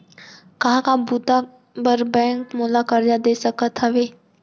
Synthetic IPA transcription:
kɐɦãkabuːt̪a | bəɾbɛ̃ːŋkmuːlakəɾjad̪eːsəkət̪ɦɐʋeː

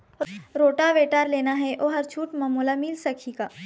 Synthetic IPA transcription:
ɾoːʈaʋeːʈaːɾleːnaɦɛʔoːɦɐɾt͡ʃʰuːʈmɐmoːlamɪlsɐkʰiɡaː

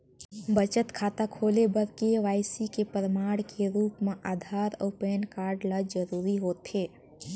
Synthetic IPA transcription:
bət͡ʃət̪kʰaːt̪akʰoːlebəɾkeʋaːɪsikepɾəmaːɽkʰeɾuːpmẽʔaːd̪ʱaːɾɔ̰ːpeːnkaːɾɖləd͡ʒəɾuːɾiɦoːt̪eː

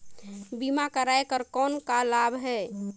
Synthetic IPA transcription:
bimakəɾajkəɾkɔnkalabʱɦɛ

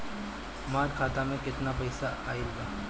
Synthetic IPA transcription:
maːɾkʰaːt̪amẽkɪt̪napɐɪsaaːiuɡaː

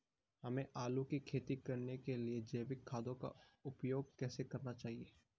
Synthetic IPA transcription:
hɐmẽʔaːlũkikʰeːt̪ikɐɾnekelied͡ʒɐːʋɪkʰːaːd̪õka̰ʊpjoːɡ̚kɛːsekɐɾnat͡ʃaːɦieː

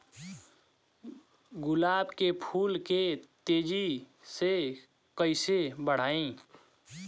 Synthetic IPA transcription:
ɡʊlaːbkepʰuːlket̪ed͡ʒi | se | kəɪsebəɽ̤aːĩ

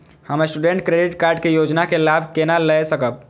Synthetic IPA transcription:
həməsʈuɖeɳʈkɾeɖiʈkaɾɖkejod͡ʒnakelabʱkenaləjsəkəb̚

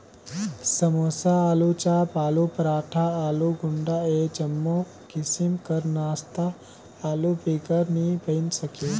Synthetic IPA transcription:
səmoːsaaːlut͡ʃapaːlupɾaːʈʰaaːluɡʊɳɖaed͡ʒəmːo | kɪsimkəɾnaːst̪a | aːlupikəɾnibəɪnsəke

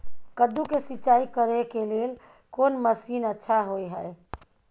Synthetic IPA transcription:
kəd̪ukesitːt͡ʃaikəɾekelel | konməsiːnətːʃʰaɦojɦəe

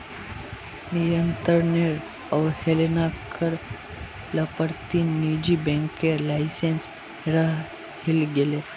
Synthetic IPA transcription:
niɾənt̪əɾneɾ | əʋhelenakʰəɾ | ləpəɾt̪inid͡ʑibɛ̃ŋkeɾlajsens | ɾa | hilɡele

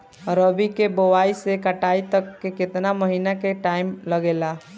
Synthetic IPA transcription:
ɾəbʱikebowaːisekəʈaːit̪əkːekɪt̪naməɦiːnakeʈaːɪmləɡeːlaː

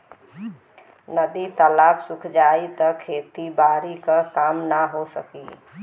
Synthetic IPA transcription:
nəd̪it̪əlapʰsukʰd͡ʒait̪ɔkʰet̪ibaɾikəkamnaɦosəkḭ

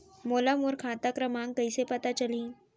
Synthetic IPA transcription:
molamuɾkʰãt̪akɾəmãŋkəjsepət̪at͡ɕəlĩː

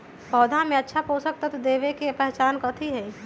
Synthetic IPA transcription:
pɔːd̪ʱãmẽətːʃʰaposək̚t̪ət̪ʰd̪eːʋekepɛɦt͡ʃaːnkət̪ʰiɦɛi

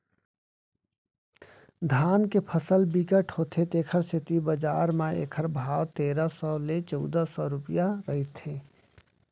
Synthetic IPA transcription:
d̪ʱaːnkepʰəsəlbikəʈɦhot̪ʰet̪eːkʰəɾsɪt̪ibəd͡ʒaːɾmẽḛːkʰəɾbʱaːwt̪eːɾəsɔlet͡ʃɔʊd̪əsɔɾʊpjaɾəɦit̪ʰeː

